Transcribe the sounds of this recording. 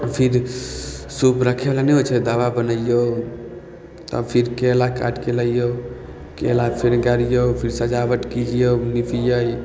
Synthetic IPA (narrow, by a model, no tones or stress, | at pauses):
pʰiɾ | supɾəkʰelanɛɦot͡ʃʰɛd̪aʋabənəjo | t̪ə̰bpʰiɾkelaka̰ʈkeləijo | kelapʰiɾɡaɾijopʰiɾsəd͡ʒaʋəʈkid͡ʒijonipʰijəj